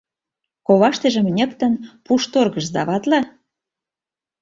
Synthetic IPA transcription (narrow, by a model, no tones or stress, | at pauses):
koβɑʃt̪ĕʒə̆mnʲə̆kt̪ə̆npuʃt̪orɣə̆ʃd̪ɑβɑt̪lɑ